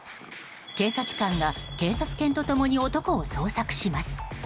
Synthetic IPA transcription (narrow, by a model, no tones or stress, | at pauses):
ke̞ːsat͡sɨ̥kãŋɡake̞ːsat͡sɨ̥kẽ̞nt̪o̞t̪o̞mo̞ɲ̟io̞t̪o̞ko̞ːso̞ːsakɯ̟̥ɕimasɨ̥